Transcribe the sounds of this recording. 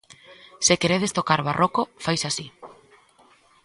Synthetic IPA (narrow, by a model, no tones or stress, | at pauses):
sekeɾeð̞est̪okaɾβarʔokofajsasi